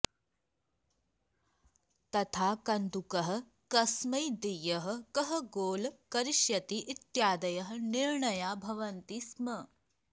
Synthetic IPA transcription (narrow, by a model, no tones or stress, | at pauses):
t̪ɐt̪ʰaːkɐnd̪ukɐɦɐ̆ | kɐsmɐjd̪ijɐɦɐ̆kɐɦɐ̆ɡoːlkɐɾiʃjɐt̪iʔit̪jaːd̪ɐjɐɦɐ̆niɾɳɐjaːbʱɐʋɐnt̪iːsmɐ